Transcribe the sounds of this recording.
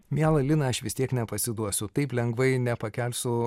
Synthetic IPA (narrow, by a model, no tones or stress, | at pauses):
mʲæːlˠɐlʲɪnɐɐʃʋʲɪst̪ʲiɛknʲɛpɐsʲɪd̪uɔsʲʊt̪ɐɪplʲɛŋɡʋɐɪnʲɛpɐkʲɛlʲsʊ